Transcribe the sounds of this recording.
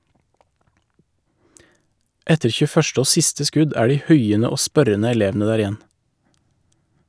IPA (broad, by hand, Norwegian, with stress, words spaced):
ˈɛtəɾ çʉˈfœʃt ˈoː ˈsɪstə ˈskʉd ˈæː ˈɖiː ˈhʉɪənə ˈoː ˈspœɾənə ɛˈleːʋn̩ə ˈdæːɾ ɪˈjɛn